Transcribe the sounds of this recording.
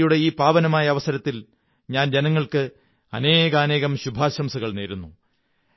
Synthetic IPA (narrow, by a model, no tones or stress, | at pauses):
juɽeiːpaːʋɐnɐmaːjɐːʋɐsɐɾɐt̪ːil | ɲaːnd͡ʑenɐŋːɐɭkɨ | ɐne̞ːɣɐːne̞ːɣɐmɕubʱaːɕɐmsɐɣɐɭneːɾunːu